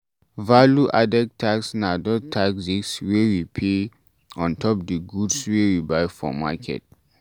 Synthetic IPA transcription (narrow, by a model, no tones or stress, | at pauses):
valuʔadɛk̚tʰaksnadɔtʰaksiswewipʰe | ɔ̃ntʰɔp̚diɡudswewibajfɔ̰ma̰kʰɛ̰t̚